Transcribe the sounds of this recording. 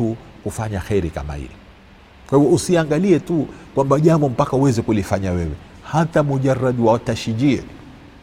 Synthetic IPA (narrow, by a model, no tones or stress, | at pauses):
u | kufaɲaxɛɾika̰ma̰hḭli | kwahivɔusiaŋɡaliɛtukwambaʄambɔm̩pakauwɛzɛkulifaɲawɛwɛ | hatamuʄarːaɗwaataʃiʄiɛ̰